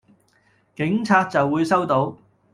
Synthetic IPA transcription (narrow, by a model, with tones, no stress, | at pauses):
kɪ˨˥ŋt͡sʰaː˧t̚t͡sɐ˨wːuː˨˧jsɐ˥wt̪o˨˥w